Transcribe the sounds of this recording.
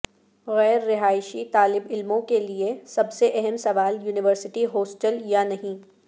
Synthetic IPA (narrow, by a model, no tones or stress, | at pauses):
ɣɛːɾːɪɦaːɪʃit̪aːlɪbɪlmõkeliesɐbseʔɛɦɛmsɐʋaːljuːnɪʋəɾsɪʈiɦoːsʈəljanɐɦĩː